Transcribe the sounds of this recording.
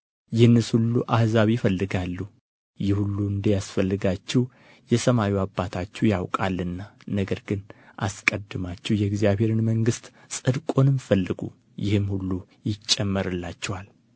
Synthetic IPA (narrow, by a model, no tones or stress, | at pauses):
jɪhɨnːɨshulːuʔahzaβifəlːɨɡalːu | jɪhulːuɨnd̪əjasfəlːɨɡat͡ʃːɛw | jɛsəmawiabːat̪ʰat͡ʃːuwjawkʼalːɨnːanəɡəɾɡɨnʔa̰skʼəd̪ːɨmat͡ʃːɛhjɛɡzjaβhe̞ɾɨnməŋɡɨst̪ʼ | sʼɨd̪kʼo̞nɨmfəlːɨɡṵ | jɪhɨmhulːu | jɪt͡ʃʼːɛmːəɾɨlːat͡ʃːɛwal